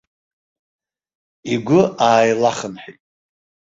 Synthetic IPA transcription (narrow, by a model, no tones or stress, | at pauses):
iɡʷʊaːjlaχənħitʼ